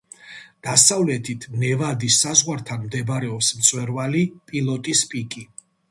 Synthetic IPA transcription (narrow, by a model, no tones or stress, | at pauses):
d̪̥asavlɛt̪ʰit̪ʰnɛvad̪isːazʁwaɾt̪ʰanmd̪ɛbɾɛɔpsmt̪sʼwɛɾvalipʼilˠɔt̪ʼispʼikʼi